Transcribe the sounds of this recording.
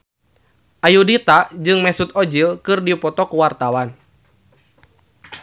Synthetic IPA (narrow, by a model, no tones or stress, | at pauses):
ʔajudit̪ad͡ʒɨŋmɛsut̪ɔd͡ʒilkɨrdipɔt̪ɔkuwart̪awan